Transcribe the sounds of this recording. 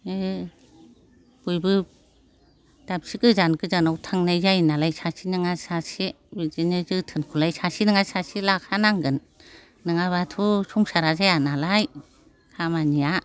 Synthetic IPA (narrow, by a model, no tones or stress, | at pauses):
e | b̥ujbɯ | d̥ap̚sikɯzankɯzanawtʰaŋnajzajnalajsasʰinɯŋasasi | bizinɯzɯtʰɯnkʰulajsasinɯŋasasilakʰanaŋɡɯn | nɯŋaβatʰusuŋsaɾazajanalaj | kʰamanija